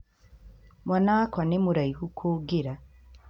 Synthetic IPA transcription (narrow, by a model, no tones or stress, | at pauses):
mwanakwanemuɾajihukʰuɡiɾa